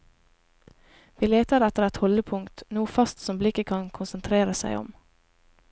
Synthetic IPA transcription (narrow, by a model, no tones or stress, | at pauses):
ʋiːleːt̪əɾɛt̪əɾɛt̪hɔləpʰʊŋt̪nuːəfɑst̪sɔmblɪkəkʰɑŋkʰʊnsənt̪ʰɾeːɾəsæ̰ɪɔ̰m